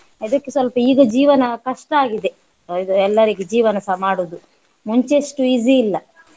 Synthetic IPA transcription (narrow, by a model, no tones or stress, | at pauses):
id̪ɐkːesʋɐlpɐiːɡɐd͡ʒiːʋɐnɐkɐʂʈɐaːɡid̪e̞ | id̪uɛlːɐɾiɡed͡ʒiːʋɐnɐsɐmaːɽud̪u | muɲt͡ʃeʂʈuiziːlːɐ